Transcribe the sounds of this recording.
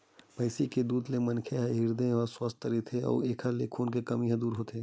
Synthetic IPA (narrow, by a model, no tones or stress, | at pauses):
pɐɪsiked̪uːd̪lemɐnkʰeɦɛɦɪɾd̪ẽɔːɾswɐst̪əɾit̪ʰeɔ̰ːɾeːkʰəɾlekʰuːnkekɐmiɦɛ̃d̪uːɾɦoːt̪e